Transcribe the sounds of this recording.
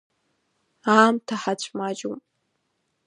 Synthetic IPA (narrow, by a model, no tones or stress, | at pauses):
aːmtʰaħat͡ɕʷʰʼmaːd͡ʒum